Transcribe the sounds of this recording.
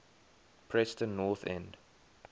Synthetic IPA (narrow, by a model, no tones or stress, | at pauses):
pʰɹɛstə̃nnːɔθɛ̰̃nd